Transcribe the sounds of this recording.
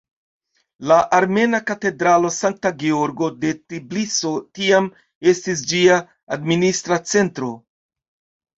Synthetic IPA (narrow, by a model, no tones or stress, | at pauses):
laʔaɾme̞nakate̞dɾalo̞saŋk̚taɡeo̞ɾɡo̞de̞tibliso̞tiam | e̞stis̬d͡ʒiaː | dministɾat͡se̞ntɾo̞